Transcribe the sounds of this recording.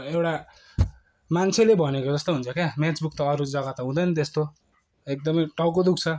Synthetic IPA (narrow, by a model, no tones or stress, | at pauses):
ewʈa | mant͡sʰelebʱʌnekod͡zʌst̪oɦunt͡sʰʌkemet͡sbuk̚t̪ʌːɾud͡zʌɡat̪ʌɦũd̪ʌjnʌt̪est̪o | ek̚d̪ʌmʌjʈʌwkod̪ukt͡sʰʌ